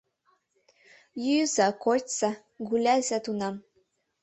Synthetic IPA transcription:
jyzakotʲsa | ɡulʲæzæt̪unɑm

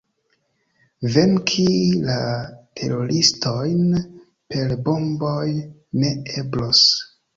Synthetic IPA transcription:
ve̞nkʰilatʰe̞̰ɾo̞ɾisto̞jn | pe̞lbo̞mbo̞j | ne̞e̞blos

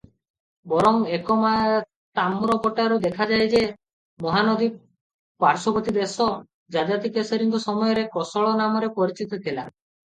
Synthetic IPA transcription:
bɔɾɔŋekɔmaj | t̪amɾɔpɔʈaɾud̪ekʰad͡ʒajd͡ʒe | mɔɦanɔd̪ib | paɾsɔbɔt̪id̪esɔ | d͡ʒad̪at̪ikesɔɾiŋkɔsɔmɔjɔɾekɔsɔɭɔnamɔɾepɔɾit͡ʃit̪ɔt̪ʰila̰

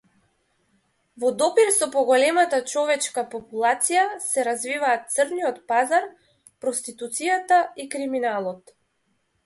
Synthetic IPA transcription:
vɔd̪ɔpiɾsɔpɔɡɔlɛmat̪at͡ʃɔvɛt͡ʃkapɔpulˠat̪sijasɛɾazvivaːt̪̚t̪sərnijɔt̪pazaɾ | pɾɔst̪it̪ut̪sijat̪aikɾiminalˠɔt̪

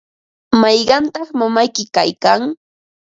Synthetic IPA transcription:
mɑjɢɑnt̪ɑχmamajkɪkajkaŋ

